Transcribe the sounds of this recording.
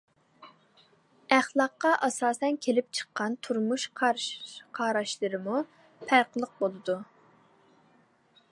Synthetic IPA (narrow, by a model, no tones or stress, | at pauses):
æχlˠɑqːɑʔɑsɑːsɛnkʲʰelɪp̚t͡ʃʰə̥qːɑnt̪ʰuɾmuʃqʰɑɾqʰɑːɾɑʃlˠɨɾɨmu | pʰæɾqəlˠəq̚bolˠɨd̪u